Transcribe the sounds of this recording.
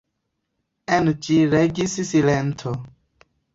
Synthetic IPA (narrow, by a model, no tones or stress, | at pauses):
ɛnt͡ʃiɾeɡisisilɛntʰɔ